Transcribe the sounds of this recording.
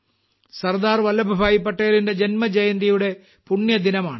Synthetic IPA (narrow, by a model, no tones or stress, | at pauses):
sɐrd̪aːrʋɐlɐbʱɐbʱaːjipːɐʈːeːlinde̞d͡ʑenmɐd͡ʑɐjɐnd̪ijuɽe̞ | puɳjɐd̪inɐmaːɳɨ